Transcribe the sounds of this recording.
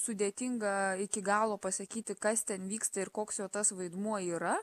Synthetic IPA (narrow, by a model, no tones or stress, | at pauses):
sʊd̪ʲeːt̪ʲɪŋɡɐɪkʲɪɡɑːlˠoːpɐsɐkʲiːt̪ʲɪkɐst̪ʲɛnʋʲiːkst̪ɐɪɾkoːksjoːt̪ɐsʋɐɪd̪muɔiːɾɐ